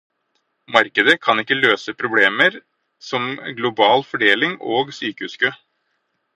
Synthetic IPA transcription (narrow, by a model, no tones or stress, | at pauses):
mɑɾkəd̪əkʰɑnɪkːəløːsəpʰɾʊbleːməɾ | sɔmɡlʊbɑːlfɔɖeːlɪŋoːɡsyːkəhʉːskøː